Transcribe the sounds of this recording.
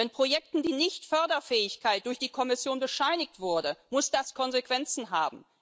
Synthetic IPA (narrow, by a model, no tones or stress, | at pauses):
ɛnpʁ̥ojɛk̚tn̩diːnɪçtfœɐdɐfɛːɪçkaɪt̚d̥ʊɐçd̥iːkʰɔmɪsjoːnbəʃaɪnɪktv̥ʊɐdəmʊsd̥askʰɔnzekv̥ɛnt͡sn̩ɦaːbm̩